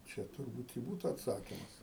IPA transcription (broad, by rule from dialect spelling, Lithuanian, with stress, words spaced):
ˈt͡ʃʲɛ tʊrˈbuːt ɪ ˈbuːtʊ ɐtˈsɑːkʲɪmɐs